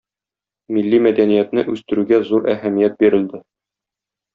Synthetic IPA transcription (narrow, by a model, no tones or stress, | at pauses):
milːimæd̪ænijæt̪nɘʔʉst̪ɘ̆ɾʉɡæzuɾæhæmijæt̪̚biɾɘ̆ld̪ɘ